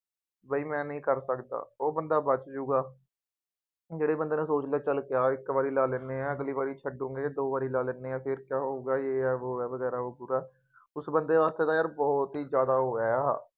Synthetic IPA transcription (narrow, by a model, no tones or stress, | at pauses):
bəiːmɛ̃ːnəĩːkəɾsəkd̪a̰ːoːbənd̪aːbət͡ʃd͡ʒũːɡaː | d͡ʒeːɽeːbənd̪eːnẽːsoːt͡ʃlaːt͡ʃəlkɪjaːɪkʋaːɾiːlaːlɛ̃ːneːãːəɡliːʋaːɾiːt͡ʃʰəɖũːŋɡeːd̪oːʋaːɾiːlaːlɛːnːeːãːpʰɪɾkjaːɦoːɡaːjeːɛːʋoːɛːʋəɡɛːɾaːoːpuːɾaːɛ | ʊsbənd̪eːʋaːst̪eːt̪aːjaːɾbɔːt̪ɦiːzjaːd̪aːɦoːjaːjaː